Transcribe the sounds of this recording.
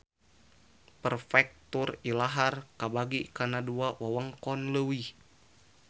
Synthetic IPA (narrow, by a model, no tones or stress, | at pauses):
pərfɛk̚t̪urilaɦarkabaɡikanaduawawaŋkɔnləwi